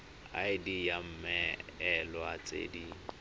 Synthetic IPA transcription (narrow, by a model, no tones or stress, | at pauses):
a̰ɪdijam̩mɛɛlwat͡sʼḛdi